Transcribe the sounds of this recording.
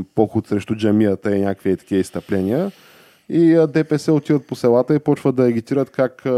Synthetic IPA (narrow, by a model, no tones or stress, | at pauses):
pɔxʊt̪sɾɛʃt̪ʊd͡ʒɐmiət̪əinʲakviət̪ɐ̥kʲiəist̪ɐplɛniə | id̪ɛpɛsɛot̪id̪ət̪̚posɛlˠat̪əipɔt͡ʃvəɐɛɡit̪iɾət̪kak